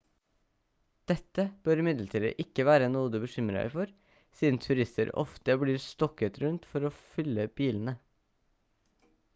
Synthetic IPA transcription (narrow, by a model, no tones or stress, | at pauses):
d̪̥ɛt̪ːəb̥øɾɪmɪd̪lət̪ʰiːd̪ə̰ʔɪkːəʋæːɾənuːd̪əbəʃʏməɾæ̰fɔɾ | siːd̪n̩t̪ʰʉɾɪst̪ə̰ɾɔ̰ft̪əbliːɾst̪ɔkət̪ɾʉnt̪fɔɾoːfʏlːəb̥iːln̩ə